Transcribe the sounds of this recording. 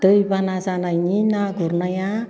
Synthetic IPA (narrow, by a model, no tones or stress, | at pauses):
d̥̪əjpanasanajɲinaɡuɾnaja